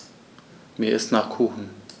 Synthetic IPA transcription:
meːɐɪstnaːχkʰuːxn̩

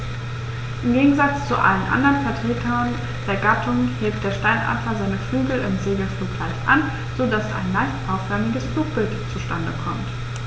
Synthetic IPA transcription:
ʔɪmɡeːɡŋ̩zat͡st͡suʔa̰lənʔa̰ndɐʁənfɛɐtʁ̥eːtʰɐn | d̥eːɐɡatʰʊŋheːp̚t̚d̥eːɐʃtaɪnʔa̰fɐzaɪnəflyːɡl̩ɪmz̥eːɡəfluːkl̥aɪçʔa̰n | z̥odasa̰ɪnːaɪçtʔaʊfv̥œɐmɪɡəsfluːk̚b̥ɪltt͡suʃtandəkʰɔmt

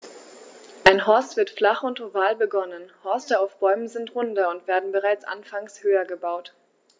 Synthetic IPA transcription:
ʔaɪnɦɔɐstv̥ɪɐtflaχʊntovaːlbəɡɔnənhɔɐstəaʊfb̥ɔʏmənzɪntʁʊndɐʊntv̥eːɐdn̩bəʁaɪt͡sʔa̰nfaŋshøːɐɡəbaʊt

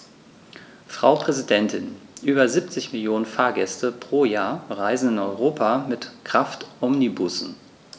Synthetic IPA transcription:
fʁ̥a̰ʊpʁ̥ɛzidɛntʰɪnʔyːbɐzip̚t͡sɪçmɪljoːnənfaːɐɡɛstʰəpʁ̥oːjaːɐʁaɪzn̩ɪnɔʏʁoːpʰamɪtkʁ̥aftʔɔmnibʊsn̩

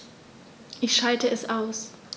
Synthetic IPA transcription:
ʔɪçʃaltəɛsʔaʊs

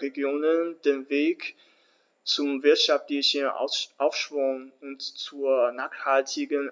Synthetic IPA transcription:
ʁeɡjoːnənd̥eːnveːk | t͡sʊmvɪɐtʃaftlɪçən̰ʔaʊfʃv̥ʊŋʊntt͡suːɐnaːχhaltʰɪɡən

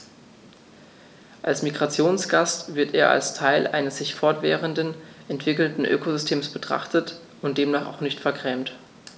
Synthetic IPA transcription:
ʔalsmiɡʁat͡sjoːnsɡ̥astv̥ɪɐtḛːɐʔa̰lstʰaɪlʔa̰ɪnəsz̥ɪçfɔɐtv̥ɛ̰ːʁəndənʔɛntv̥ɪkl̩tn̩ʔø̰ːkozʏstʰeːmsb̥ətʁ̥a̰χtət | ʊnt̚d̥eːmnaːχa̰ʊxnɪçtfɛɐkʁ̥ɛːmt

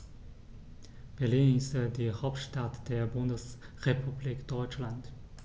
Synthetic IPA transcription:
b̥ɛɐliːnɪstədiːhaʊp̚tʃtatd̥eːɐbʊndəs | ʁepʰubliːkd̥ɔʏt͡ʃlant

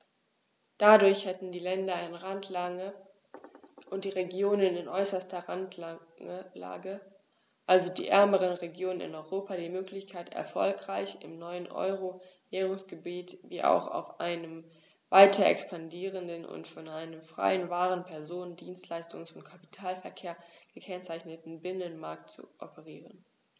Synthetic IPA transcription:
d̥adʊɐçhɛtn̩diːlɛndɐɪnʁantʰlaŋə | ʔʊnt̚d̥iːʁeɡjoːnənɪnʔɔʏsɐstɐʁant | la̰ːɡə | ʔalzodḭːʔɛɐməʁənʁeɡjoːnənɪ̰nɔʏʁoːpadiːmøːklɪçkʰaɪtɛ̰ɐfɔ̰lkʁ̥aɪçɪ̰mnɔʏənʔɔ̰ʏʁovɛːʁʊŋsɡ̥əbiːtviːʔa̰ʊxa̰ʊfʔa̰ɪnəm | vaɪtʰɐʔɛ̰kspandiːʁəndənʔʊ̰ntfɔnʔaɪnəmfʁ̥a̰ɪənvaːʁənpʰɛɐzoːndiːnstʰlaɪstʊŋəsɔnkʰapi̥tʰaːlfɛɐkʰeːɐɡ̥əkʰɛnt͡saɪçnətn̩bɪnənmaɐk̚tt͡sṵʔɔ̰pəʁiːʁən

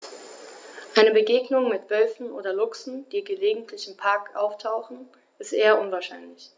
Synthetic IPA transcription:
ʔaɪnəbəɡeːɡnʊŋmɪtv̥œlfn̩ʔo̰ːdɐlʊksn̩d̥iːɡəleːɡŋ̩tʰlɪçɪmpʰaɐkʔa̰ʊftʰaʊxn̩ | ʔɪstʔeːɐʔʊnvaːɐʃaɪnlɪç

